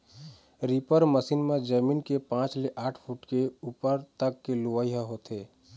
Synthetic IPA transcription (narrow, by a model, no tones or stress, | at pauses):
ɾiːpəɾməsiːnmẽd͡ʒəmiːnkepãːt͡ʃleʔaːʈʰpʰuʈkeuːpəɾt̪əkːeluʋaiɦaɦoːt̪eː